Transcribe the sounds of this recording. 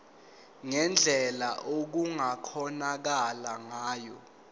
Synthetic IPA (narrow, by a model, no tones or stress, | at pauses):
ŋɛnd͡ɮʱɛlaʔok̬uŋakʰɔnak̬alaŋaːjɔ